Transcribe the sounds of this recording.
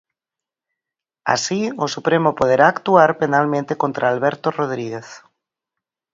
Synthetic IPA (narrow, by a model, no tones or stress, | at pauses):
a̰siosupɾemopoð̞eɾaːkt̪uaɾpenalmẽnt̪ekont̪ɾaːlβɛɾt̪oroð̞ɾiɣeθ